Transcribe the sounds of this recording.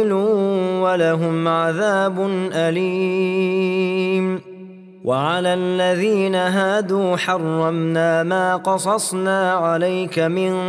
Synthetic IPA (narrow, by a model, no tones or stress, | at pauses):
luːwalaɦʊmʕaðaːbʊnʔaliː | m | wʔaʕalaːlːaðiːnaɦaːd̪uːħɑrˤːɑmnaːmaːqɑsˤɑsˤnaːʕalajkamɪn